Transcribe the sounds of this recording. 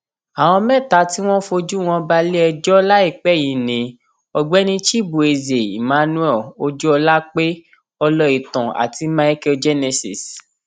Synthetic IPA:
a˨w̃ɔ̃˧mɛ̃˦˨ta˨˦ti˦w̃ɔ̃˦fo˧d͡ʒu˦w̃ɔ̃˧ba˧le˦ɛ˧d͡ʒɔ˦la˦i˦˨k͡pɛ˦˨jĩ˨nĩ˨˦ | ɔ˨ɡ͡bɛ˨˦nĩ˧ʃi˦˨bu˨e˨ze˨ḭ˨mã˨˧˦nũ˦ɛ˦˨o˧d͡ʒu˦ɔ˧la˦k͡pe˦ | ɔ˧lɔ˦i˨tɔ̃˨a̰˨ti˧mã˧i˦ke˦d͡ʒe˦ne˧si˨s

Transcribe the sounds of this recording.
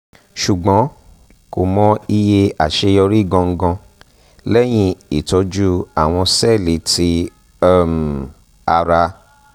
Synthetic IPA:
ʃu˨ɡ͡bɔ̃˨˦ | ko˨mɔ̃˧i˧je˧a˨ʃe˧jɔ˧ɾi˦˨ɡɔ̃˧ŋ̩˧˦ɡɔ̃˧ | lɛ˦j̃ĩ˧i˨tɔ˧d͡ʒu˦a˦˨w̃ɔ̃˧sɛ˦˨le˨˦ti˦˨ | m˨ | a˧ɾa˧

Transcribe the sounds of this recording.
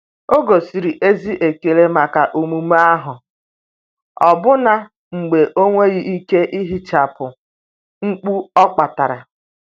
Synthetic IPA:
o˦ɡo˨si˨ɾi˨ʔe˦zi˦ʔe˨ke˨le˦ma˨ka˨ʔu˨mu˨m˦a˦ɦʊ˨ | ɔ˨bʊ˦na˦ | ŋ͡m̩˨ɡ͡be˨ʔo˦ŋʷe˦ɣi˦i˦ke˦ʔi˦ɦi˦t͡ʃa˨pʊ˨ | ŋ̩˦k͡pu˦ɔ˦k͡pa˨ta˨ɾa˨

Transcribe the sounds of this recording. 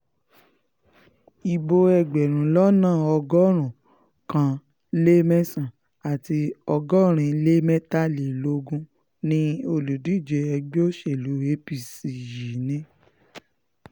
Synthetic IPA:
i˨bo˧ɛ˧˨ɡ͡bɛ˨ɾ̃ũ˨lɔ˦nãː˦˨ɔ˧ɡɔ˦ɾ̃ũ˨ | kã˧˨ | le˦mɛ̃˦sã˦˨ | a˨ti˧ɔ˧ɡɔ˦ɾ̃ĩ˧le˦mɛ̃˦ta˦le˨lo˧˦ɡũ˦ | nĩ˦o˧˨lu˨di˨˦˨d͡ʒe˨˧ɛ˧ɡ͡be˦o˦ʃe˦˨lu˨˦we˨˦pi˦˨si˨ji˨˦nĩ˦

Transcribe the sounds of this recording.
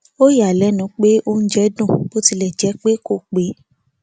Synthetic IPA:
o˦ja˨lɛ˨˦nũ˨˦k͡pe˦o˦n̩˦d͡ʒɛ˦dũ˦˨b̥o˦ti˧lɛ˨d͡ʒɛ˨˦k͡pe˦ko˦˨k͡pe˨˦

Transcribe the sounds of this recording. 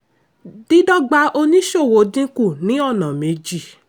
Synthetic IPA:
di˦dɔ˦ɡ͡ba˧o˧nĩ˦ʃo˦˨wo˨dĩ˦ku˦˨nĩ˨˦ɔ˦˨nã˨mẽ˨˧d͡ʒi˦˨

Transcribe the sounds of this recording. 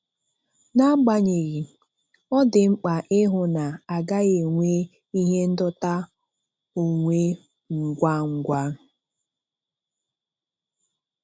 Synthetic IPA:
na˦ɡ͡ba˨ɲe˨ɾi˨ | ɔ˦dɪ˨ŋ͡m̩˦k͡pa˨ʔɪ˦ɦʊ˨na˨a˨ɡa˦ɣe˨ŋʷe˦ | i˦ɦe˦n̩˦dɔ˦ta˦ | o˨ŋʷe˦ | ŋ̩˨ɡʷa˦ŋ̩˨ɡʷa˦

